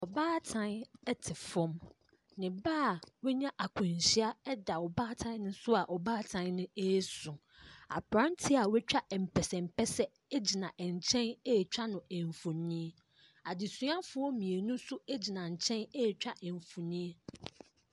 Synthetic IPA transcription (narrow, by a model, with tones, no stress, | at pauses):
ɔ˨baː˦tʰã˦nɛ˦tʰɪ˨fɔ̃˦m | nɪ̃˨baː˦˨wɛ˦ɲã˦ʔa˨kʰʊ̃˨n˨ɕi˦a˦ɛ˦da˨ɔ˨baː˦tʰã˦n˦nʊ̃˦sʊ˦a˨ʔɔ˨baː˦tʰã˨˦nnʊ̃˦e˦sʊ̃˨ | a̰˨pɾã˦n˦tʰɪ˦a˨wɛ˦t͡ɕᶣa˦ʔm̩˨pʰɛ˨sɛ̃˨m̩˨pʰɛ˦sɛ˦ | e˦d͡ʑi˨nã˨ʔɛ˨ɲ˨t͡ɕʰɛ̃˦ne˦˨t͡ɕᶣa˦nʊ̃˨ɛ˨ɱ˨fu˨nĩ˦e˦ | a˨dɪ˨su˨˦ã˦fʊ˦ɔ˦mĩ˨e˨nũ˦sʊ˦e˦d͡ʑi˨nã˨ɲ̩˨t͡ɕʰɛ̃˦ne˦˨t͡ɕᶣa˦ʔɛ˨ɱ˨fu˨nĩ˦e˦